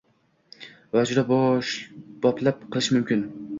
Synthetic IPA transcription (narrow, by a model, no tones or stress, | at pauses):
vad͡ʒʊd̪ab | b̥ɒplap̚qʰɨlˠɪʃmʊmkʲɪn